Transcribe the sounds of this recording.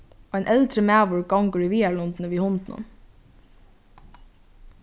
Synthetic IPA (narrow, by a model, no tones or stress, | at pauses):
ajnʔɛlt̪ɾəmæːʋʊɹɡɔŋkəɹiʋiːalʊnt̪nəʋiːhʊnt̪nʊ̰n